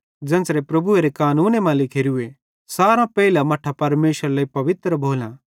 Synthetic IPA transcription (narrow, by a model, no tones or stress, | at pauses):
d͡ʒɐ̃ːnsɾepɾɐbueɾekaːnuːnemãlɪkʰeːɾue | saːɾãpɛɪlãmɐʈʰapɐɾmeːʃəɾlaːipɐʋɪt̪ɾəbʱoːlã